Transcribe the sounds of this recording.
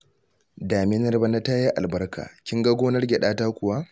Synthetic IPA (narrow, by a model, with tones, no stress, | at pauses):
daː˨mɪ˦nɐ˦rbɐ˦na˦ta˦ja˦ʔa˨lbɐ˦rkʰa̰ː˨kʲɪ˦ŋɡa˦ɡʷoː˦nɐ˦rɡʲɛ˨ɗaː˦taː˦kʷʊ˨wa˦